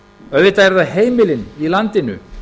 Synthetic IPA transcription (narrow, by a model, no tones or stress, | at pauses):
œðvɪt̪aɾðaheːjmɪlɪnilant̪ɪnʏ̰